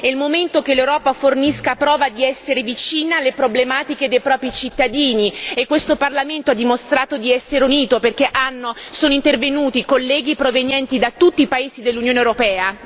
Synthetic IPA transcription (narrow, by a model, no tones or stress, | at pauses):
ɛilmoment̪okelːewɾɔːpaforniskapɾɔːvad̪iɛsːeɾevit͡ʃiːnalepɾoblemaːt̪iked̪ejpɾɔːpɾit͡ʃit̪ːad̪iːniekːwest̪oparlament̪oad̪ːimost̪ɾaːt̪od̪iɛsːeɾeuniːt̪operkeʔanːosoːnoint̪ervenuːt̪ikolːɛːɡipɾovenjɛnt̪id̪at̪ːut̪ːiːpaeːzid̪elːunjoːnewɾopɛːa